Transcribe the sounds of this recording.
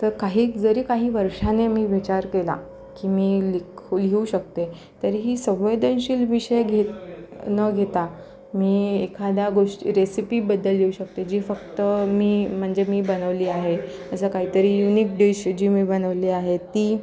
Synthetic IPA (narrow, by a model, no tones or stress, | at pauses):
t̪əɾkaɦiːd͡zəɾiːkaɦiːʋəɾʂanemiːʋit͡ɕaɾkela̰ | kiːmiːlikʰulɡʱeuɕək̚t̪e | t̪əɾiɦiːsəʋed̪ənɕiːlʋiɕəjɡʱet̪nəɡʱet̪a | miːekʰad̪jaɡoʂʈḭɾesipiːbəd̪ʱːəlɦeuɕək̚t̪ed͡ʑiːfəkt̪əmiːm̤əɳd͡zemiːbənəʋliːaɦe | əsəkaɦiːt̪əɾiːjuniːk̚ɖeɕd͡ʑiːmiːbənəʋliːaɦet̪iː